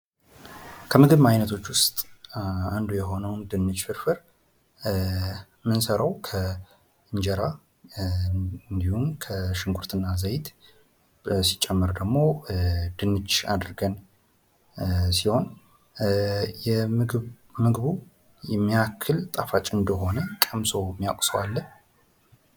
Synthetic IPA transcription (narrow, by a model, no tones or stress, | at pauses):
kʰəmɨɡɨβmajnət̪ʰo̞t͡ʃːwʊst̪ʼand̪ujɛɦo̞nəwnd̪ɨnːɨd͡ʒfɨɾfɨɾ | mɨnsəɾəwkʰə | ɨɲd͡ʒɛɾa | ɨnd̪ihumkʰəʃɪŋkʰuɾt̪ʰɨnːazəjt̪ʰ | si̥t͡ʃʼɛmːɨɾd̪əɡmo̞d̪̥ɨnːɨd͡ʒa̰d̪ɾɡən | siho̞n | jɛ | mɨɡβu | jɛmːijakʰːɨlt̪ʼafat͡ʃʼɨnd̪əɦo̞nəkʼəmso̞mːija̰kʷʼsəwalːən